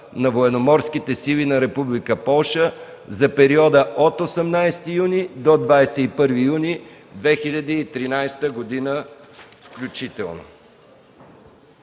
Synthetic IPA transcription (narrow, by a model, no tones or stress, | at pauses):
nɐvoɛnomɔɾsk̟it̪ɛsilʲinɐɾɛpublikəpɔlˠʃə | zɐpɛɾiɔd̪əʔot̪osɛmnajst̪ijunid̪od̪vajsɛipɤɾvijuni | d̪vɛxilʲɐd̪iːt̪ɾinajst̪əɡod̪inəfklʲut͡ʃit̪ɛ̰lˠno̰